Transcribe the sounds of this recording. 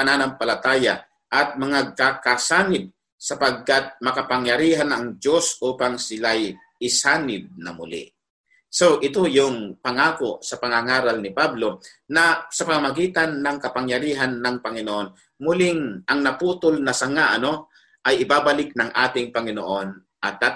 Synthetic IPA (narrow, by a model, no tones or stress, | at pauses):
pɐnaːnɐmpɐlɐt̪aːja̰ | ʔɐt̪̚mɐŋaɡ̚kakasaːnɪb̚ | sɐpɐɡ̚kat̪̚mɐkɐpɐŋjɐɾiːɦanɐŋd͡ʒo̞sʔuːpaŋsɪlaj | ʔɪsaːnɪb̚nɐ̰mʊ̰lɪ̰ | so̞ʔɪt̪o̞jʊŋpɐŋaːkosɐpɐŋaŋaːɾalnɪpablo̞ | nɐsɐpɐmamɐɡiːt̪ɐnːɐŋkɐpɐŋjɐɾiːɦanːɐŋpɐŋɪnoʔo̞n | mʊlɪŋʔɐŋnɐpuːt̪olnɐsɐŋaʔɐno̞ | ʔɐjʔɪbaːbɐlɪk̚nɐŋʔaːt̪ɪŋpɐŋɪnoʔo̞n | ʔɐt̪̚ːa